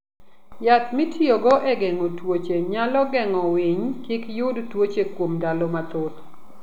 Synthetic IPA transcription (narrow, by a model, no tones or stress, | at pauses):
jat̪mitʰioɡɔʔɛɡɛŋɔtwot͡ʃeɲalɔɡɛŋɔwiɲkikjʊdtwot͡ʃekwomdalɔmat̪ʊt̪